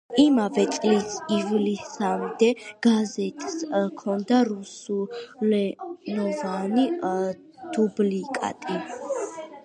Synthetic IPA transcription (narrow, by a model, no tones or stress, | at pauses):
imavɛt̪ʼlisivlisamd̪ɛɡ̥azɛt̪ʼskʰɔnd̪aɾusulɛnɔvani | d̪̥ublikʼa̰t̪ʼi